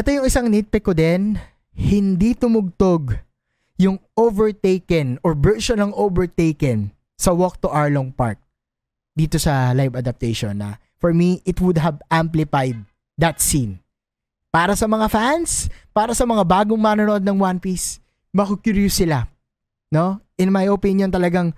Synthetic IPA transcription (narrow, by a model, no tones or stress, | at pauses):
ʔɛt̪ojʊŋɪsaŋnit̪̚pɛkod̪ɛn | hɪnd̪it̪ʊmʊɡ̚t̪oɡ | jʊŋʔovɛɹt̪ejkɛnɔɹbɛʃʊnɐŋovɛɹt̪ejkɛn | sɐwɔk̚t̪ʊʔawloŋpa̰ɹt̪̚ | d̪iːt̪osɐlajvɐd̪ɐp̚t̪ejʃonːɐ̰ | fɔɹmiʔɪt̪wʊd̪̚ɦɐvʔamplɪfajd̪̚ː | ɐt̪sin | paːɾɐsɐmɐŋafanspaːɾɐsɐmɐŋabaːɡoŋmanonoʔod̪nɐŋwanpis | mɐkokjuɹjʊsɪla | no̞ʔɪnmajʔopinjont̪ɐlɐɡaŋ